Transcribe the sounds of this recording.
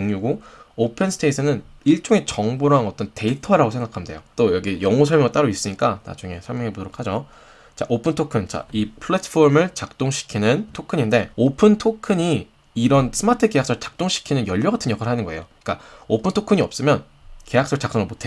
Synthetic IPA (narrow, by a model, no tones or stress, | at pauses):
oŋɲuɡoopʰensʰɯ̥tʰeisʰɯnɯniɭt͡ɕ͈oŋe̞t͡ɕʌŋboɾaŋʌt͈ʌnte̞itʰʌɾaɡosʰe̞ŋɡakʰamnde̞̰jot͈ojʌɡijʌŋusʰʌɭmjʌŋɭt͈aɾois͈ɯɲik͈ana̰d͡ʑuŋe̞sʰʌɭmjʌŋebodʰɾokʰad͡ʑo | t͡ɕa̰ʔopʰɯntʰokʰɯnt͡ɕa̰ipʰɯɭetʰpʰoɾmɯɭt͡ɕak̚t͈oŋɕʰi̥kʰinɯntʰokʰɯɲinde̞opʰɯntʰokʰɯɲiː | ɾʌns͈ʰɯmatʰɯke̞jaks͈ʌt͡ɕḁk̚t͈oŋɕʰi̥kʰinɯnjʌʎːʌɡatʰɯnɲjʌkʰaɾɭɦanɯnɡʌe̞jo | k͈aopʰɯntʰokʰɯɲiʌp̚s͈ɯmjʌn | ke̞jak̚s͈ʌɭt͡ɕak̚t͈oŋɯɭmotʰe